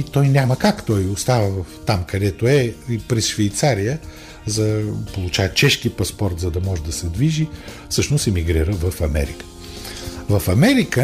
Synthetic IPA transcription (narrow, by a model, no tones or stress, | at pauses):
it̪ɔjnʲaməkakt̪ɔjʊst̪avəvəft̪amkɐd̪ɛt̪oɛipɾɛsʃvɛjt̪saɾijə | zɐpolˠut͡ʃavt͡ʃɛʃkipɐspɔɾt̪zɐd̪ɐmɔʒɛd̪ɐsɛd̪viʒifsɤʃnosimiɡɾiɾəvɐfɐmɛ̰ɾḭkə̥ | vɐfɐmɛɾikə